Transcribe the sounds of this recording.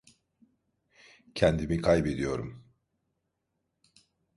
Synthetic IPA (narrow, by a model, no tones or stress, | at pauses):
cʰɛnd̪imikʰajbe̞d̪ijo̞ɾum